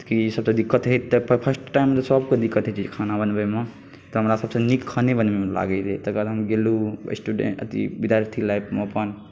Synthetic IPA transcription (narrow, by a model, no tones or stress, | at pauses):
kisəbsə̃d̪ikːət̪ɦet̪t̪ːəpʰpʰəsʈʈajmːet̪səbked̪ikːət̪ɦt͡ʃʰikʰanabənbəme | t̪ɔɦəmɾasəbsə̃nikʰːənebənbemela̰ɡəɪlet̪əkəɾɦəmɡelṵsʈuɖḛə̰t̪ḭbid̪jaɾt̪ʰilajpʰmpən